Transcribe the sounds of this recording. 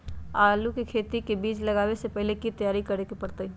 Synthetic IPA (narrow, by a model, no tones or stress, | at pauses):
aːlukikʰeːt̪ikebiːt͡ʃlɐɡaːwesepɛɦlekit̪ɐjaːɾikɐɾekipɐɾt̪əi